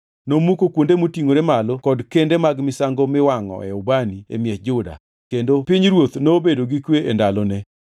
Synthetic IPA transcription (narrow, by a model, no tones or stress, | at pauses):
nomukokwondemotiŋoɾemalokɔdkendemaɡmɪsaŋɡomɪwaŋɔ̰ʔɛ̰ɔbaniḛmjɛd͡ʒʊda̰ | kendopiɲɾwot̪nobedoɡikweʔendalɔnɛ